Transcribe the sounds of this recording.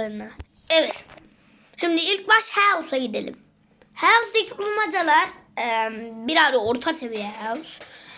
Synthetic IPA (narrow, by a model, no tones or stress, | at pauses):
ɯɾɯna | ɛvɛt̪ | ʃimd̪iilʲc̚baʃhæwsaɟid̪elʲḭm | hæwsd̪ecʰiulˠmad͡ʒalˠaɾ | mbiɾaɾɯoɾt̪ʰat͡ʃʰevijɛɦæws